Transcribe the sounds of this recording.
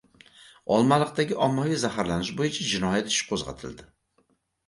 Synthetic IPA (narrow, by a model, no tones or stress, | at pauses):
ɒlˠmalˠɨq̚t̪aɡʲɪʔɒmːɒjizahaɾlanɪʃbojɪt͡ʃʰad͡ʒɪnɒjat̪ɪ̥ʃɪ̥p̚qʰozʁɑ̰t̪ʰɪld̪ɪ